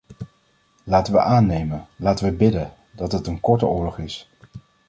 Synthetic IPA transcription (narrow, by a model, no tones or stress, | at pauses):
laːtəʋə̰ʔaːnejmənlaːtəʋəbɪdən | dɑtɦətənkɔɹtəʊːɹlɔχɪs